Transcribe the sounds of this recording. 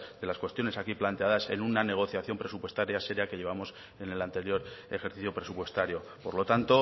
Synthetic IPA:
d̪e̞laskwe̞st̪jo̞ne̞sakiplant̪e̞aðase̞̰nunane̞ɣ̞o̞θjaθjo̞mpɾe̞supwe̞st̪aɾjase̞ɾjake̞ʎe̞β̞amo̞s | e̞ne̞lant̪e̞ɾjo̞ɾexe̞ɾθiθjo̞pɾe̞supwe̞st̪aɾjo̞po̞ɾlo̞t̪ant̪o̞

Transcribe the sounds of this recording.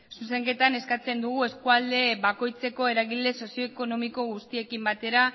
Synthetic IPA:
suse̞ŋke̞t̪ane̞skat͡se̞nd̪uɣ̞ue̞skuald̪e̞βako̞jt͡se̞ko̞e̞ɾaɣile̞so̞sio̞eko̞no̞miko̞ɣust̪ie̞kimbat̪e̞ɾa

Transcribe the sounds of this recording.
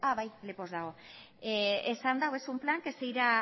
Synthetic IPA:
aβajlepo̞zðaɣ̞o̞ | eesand̪awesumplaŋkesejɾa

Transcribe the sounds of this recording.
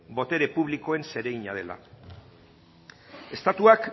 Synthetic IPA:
bo̞t̪e̞ɾepuβ̞liko̞e̞nse̞ɾe̞iɲa̰ð̞e̞la̰ | e̞st̪at̪uak

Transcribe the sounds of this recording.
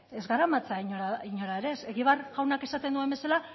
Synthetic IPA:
e̞zɣaɾamat͡saiɲoaiɲoɾaeɾese̞ɣiβ̞arɣawnake̞sat̪end̪ue̞mbe̞sala

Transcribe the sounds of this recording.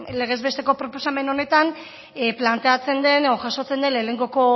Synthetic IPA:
le̞ɣ̞e̞zβe̞st̪e̞ko̞pɾo̞po̞same̞no̞ne̞t̪an | plant̪e̞at͡se̞nd̪e̞neðo̞ʝaso̞t͡se̞nd̪e̞nlele̞ŋɡo̞ko̞

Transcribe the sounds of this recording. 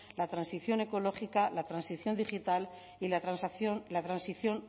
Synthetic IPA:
lat̪ɾansiθjo̞ne̞ko̞lo̞χikalat̪ɾansiθjo̞nd̪ixit̪al | ilasθonlat̪ɾansiθjo̞n

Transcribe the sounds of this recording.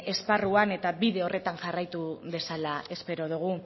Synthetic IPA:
e̞sparuane̞t̪aβiðe̞o̞re̞t̪aŋʝarajt̪uðe̞salae̞spe̞ɾo̞ð̞uɣ̞u

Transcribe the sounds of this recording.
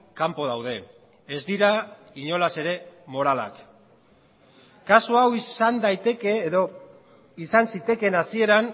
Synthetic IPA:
kampo̞ðawðe̞ː | zd̪iɾa | iɲo̞lase̞ɾe̞mo̞ɾala̰k | kasuawisand̪ajt̪e̞ke̞ːðo̞ | isansit̪e̞ke̞nasie̞ɾan

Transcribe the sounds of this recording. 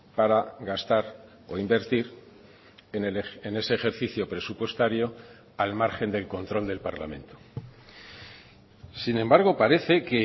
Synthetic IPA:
paɾaɣast̪aɾ | o̞̰imbe̞ɾt̪iɾ | enene̞se̞ːxe̞ɾθiθjo̞pɾe̞supwe̞st̪aɾjo̞ | almaɾxe̞nd̪e̞lko̞nt̪ɾo̞ld̪e̞lpaɾla̰mẽ̞nt̪o̥ | sinẽ̞mbaɾɣ̞o̞paɾe̞θe̞ke̞

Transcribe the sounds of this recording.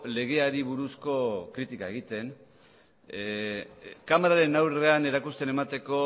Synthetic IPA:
le̞ɣ̞e̞aɾiβuɾusko̞kɾit̪ikae̞ɣ̞it̪e̞n | kamaɾaɾe̞nawre̞ane̞ɾakust̪e̞ne̞mat̪e̞ko̞

